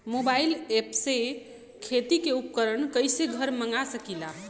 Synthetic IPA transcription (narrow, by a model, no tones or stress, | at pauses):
mobailepse | kʰet̪ikeup̚kəɾənkəjseɡʱəɾməŋɡasəkila